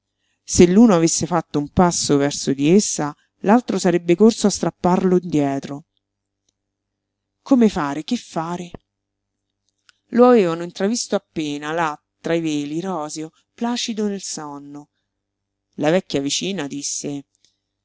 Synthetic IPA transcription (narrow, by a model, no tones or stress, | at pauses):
selːuːnoavesːefat̪ːoumpasːovɛrsod̪iesːa | lalt̪ɾosaɾɛbːekorsoast̪ɾapːarloind̪jɛːt̪ɾo | komefaːɾek̟efːaːɾe | loaveːvanoint̪ɾavist̪oapːeːnalat̪ːɾaiveːliɾɔːzeo | plaːt͡ʃid̪onelsɔnːo | lavɛkːjavit͡ʃiːnad̪isːe